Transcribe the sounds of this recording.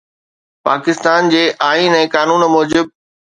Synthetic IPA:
pa̰ːkɪst̪aːnd͡ʑeːʔaːiːnɛ̃ːkaːnuːnmɔːd͡ʑɪb̚

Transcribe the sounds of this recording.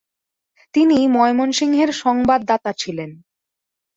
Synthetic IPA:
t̪inimɔemonʃiŋɦeɾʃɔŋbad̪ːat̪at͡ɕʰilen

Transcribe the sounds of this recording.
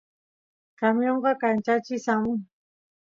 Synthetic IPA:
kamjoɴɢɑkant͡ʃat͡ʃɪsamʊŋ

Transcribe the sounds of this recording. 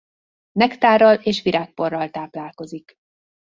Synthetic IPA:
nɛkt̪aːrɒleːʃʋiɾʔaːk̚po̞rːɒlt̪aːplaːlko̞zik

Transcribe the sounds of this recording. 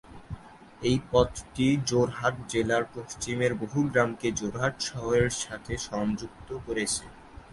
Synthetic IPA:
ejpɔt̪ʈid͡ʑoɾɦaʈ̚d͡ʑelaɾpoʃt͡ɕimeɾboɦuɡɾamked͡ʑoɾɦaʈʃɔɦoeɾʃat̪ʰeʃɔŋd͡ʑuk̚t̪okoɾet͡ɕʰe

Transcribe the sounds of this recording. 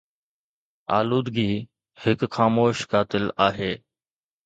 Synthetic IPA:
a̰ːluːd̪ɡiː | hɪkxaːmoːʃkaːt̪ɪlaːɦeː

